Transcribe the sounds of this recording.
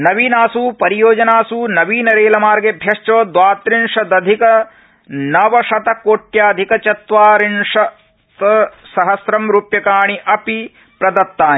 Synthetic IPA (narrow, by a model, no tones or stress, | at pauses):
nɐʋiːnaːsuːpɐɾijoːd͡ʒɐnaːsuːnɐʋiːnɐɾeːlɐmaːɾɡebʱjɐʂt͡ʃoːd̪ʋaːt̪ɾiɳʂɐd̪ɐd̪ʱikɐ | nɐʋɐʂɐt̪ɐkoːʈjaːd̪ʱikɐt͡ʃɐt̪ʋaːɾiɳʂɐ | t̪ɐsɐɦɐsɾɐmɾuːpjɐkaːɳ̃iʔɐpi | pɾɐd̪ɐt̪ːaːni